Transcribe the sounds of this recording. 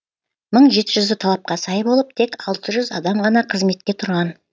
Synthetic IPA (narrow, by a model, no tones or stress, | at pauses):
məɴʒe̞t̪ɪʒʏzɪt̪ʰɑlˠɑp̚qɑsɑjbo̞lˠəp̚t̪ʰe̞kɑlˠt̪əʒʏzɑd̪ɑmʁɑnɑqʰəzme̞t̪̚kʲe̞t̪ʰʊɾʁɑn